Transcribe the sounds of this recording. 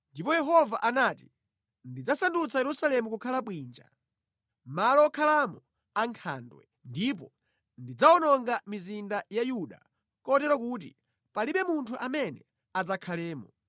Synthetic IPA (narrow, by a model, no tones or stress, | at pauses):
ndipɔjɛɦɔvaʔanaːti | ndid͡zasandut͡sʰajɛɾusalɛmukukʰalaɓwiːnd͡ʒa̰ | malɔɔkʰalamɔ | aŋkʰa̰ːndwɛ̰ | ndip̬ɔ | ndid͡zaɔnɔŋɡamizindajajuɗa̰ | kɔtɛɾakuːtḭ | paliɓɛmuntʰuʔamɛnɛ | ad͡zakʰalɛːmɔ